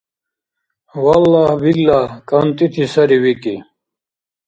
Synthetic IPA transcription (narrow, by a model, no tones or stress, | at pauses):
wɐlːaːhbilːaːkɐnt̪it̪ʰisɐɾiwiki